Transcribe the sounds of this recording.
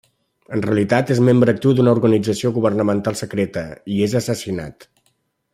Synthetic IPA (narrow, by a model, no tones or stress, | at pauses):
ənreəlit̪at̪ezmembɾəːk̚t̪iwd̪unəuɾɣənid͡zəsioɣuβ̞ərnəmənt̪alˠsəkɾet̪əiezəsəsina̰t̪